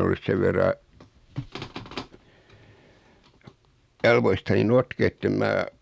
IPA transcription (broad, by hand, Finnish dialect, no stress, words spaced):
olːus seʋ ʋerːɑ jɑlʋoistɑni notkeː etːem mæː